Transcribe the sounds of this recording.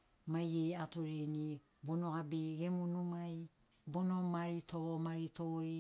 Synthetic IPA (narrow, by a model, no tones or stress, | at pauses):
majejatoɾeni | bonoabiɡemunumaj | bonomaɾitomaɾitoɾi